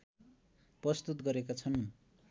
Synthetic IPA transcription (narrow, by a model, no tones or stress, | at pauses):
prʌst̪ut̪ɡʌɾekat͡sʰʌn